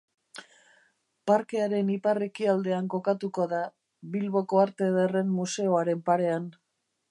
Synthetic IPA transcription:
paɾke̞aɾe̞nipare̞kiald̪e̞aŋko̞kat̪uko̞ða | βilβo̞ko̞aɾt̪e̞ðere̞nmuse̞o̞aɾe̞mpaɾe̞an

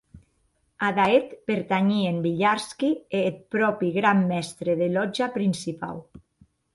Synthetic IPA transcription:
aðaet̪peɾt̪aɲiembiʎaɾskiet̪̚pɾɔpiɣɾamːɛst̪ɾeðelɔd͡ʒapɾinsipa̰l

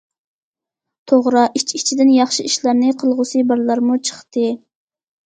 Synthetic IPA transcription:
t̪ʰoʁɾɑʔit͡ʃʰit͡ʃʰid̪ɪnjɑχʃiiʃlɑɾnɪqʰəlˠʁʊsɨbɑɾlˠɑɾmut͡ʃʰə̥χt̪ɨ

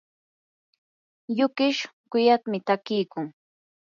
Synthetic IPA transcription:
jʊkɪʃ | kʊjat̪mɪt̪akɪjkʊŋ

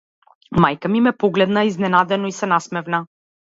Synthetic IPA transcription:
majkamimɛpɔɡlɛd̪naiznɛnad̪ɛnɔisɛnasmɛvna

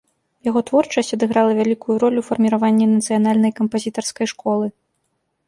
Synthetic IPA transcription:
jaɣɔt̪vɔrt͡ʂɐsʲtʲɐd̪ɨɣɾalˠɐvʲalʲikujuɾɔlʲufɐrmʲiɾavanʲːinɐt̪sɨjanalʲnɐjkɐmpazʲit̪ɐrskɐjʂkʰɔlˠɨ

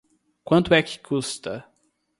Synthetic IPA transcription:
kwɐ̃nt̪ʊɛkɪ̥kʰust̪ɐ

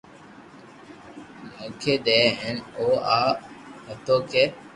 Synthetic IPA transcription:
mũːkʰeːɗ̪ɛːɛ̃ːnoːaːɦət̪oːkeː

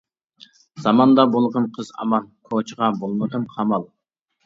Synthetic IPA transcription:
z̥ɑmɑnd̪ɑbolˠʁɑnqʰəzɑ̰mɑnkʰot͡ʃʰʁɑbolˠməd̪ɨnqʰɑmɑlˠ

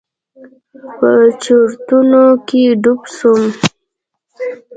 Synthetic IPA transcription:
pət͡ʃoɾt̪unokeɖupsum

